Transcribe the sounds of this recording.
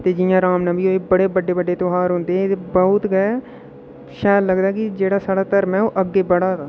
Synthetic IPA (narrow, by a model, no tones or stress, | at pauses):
t̪eːd͡ʒɪːjãːɾaːmnãːbiːoːeːbəɽeːbəɖeːbəɖeːt̪oːɦaːɾɦõnd̪eːebəʊt̪ɡɛ | ʃɛːlləɡd̪aːɛːkɪd͡ʒeːɽaːsaːɽaːt̪əɾmɛːoːʔəɡːeːbəɽaːt̪aː